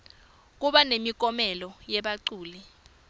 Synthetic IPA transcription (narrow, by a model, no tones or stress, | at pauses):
k̬uɓanemik̬ʼɔmɛlɔjɛɓaǀuːli